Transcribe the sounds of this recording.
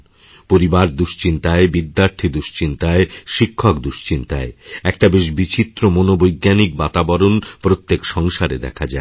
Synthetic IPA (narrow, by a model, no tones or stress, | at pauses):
poɾibaɾd̪uʃt͡ɕint̪aebid̪ːaɾt̪ʰid̪uʃt͡ɕint̪aeʃikʰːokd̪uʃt͡ɕint̪a̰eɛk̚ʈabeʃbit͡ɕit̪ːɾomonobojɡːanik̚bat̪abɔɾonpɾot̪ːekʃɔŋʃaɾed̪ɛ̰kʰad͡ʑae